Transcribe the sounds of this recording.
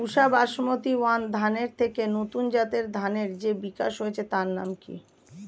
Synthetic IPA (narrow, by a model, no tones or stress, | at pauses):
uʃabaʃmot̪iwand̪ʱaneɾt̪ʰekenot̪und͡ʑat̪eɾd̪ʱaneɾd͡ʑebikaʃɦojet͡ɕʰet̪aɾna̰mkḭ